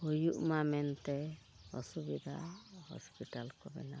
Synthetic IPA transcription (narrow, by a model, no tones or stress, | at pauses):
ujuʔmamɛnt̪ɛ | ɔsubid̪ʱa̰hɔ̰spiʈalkɔbɛ̰na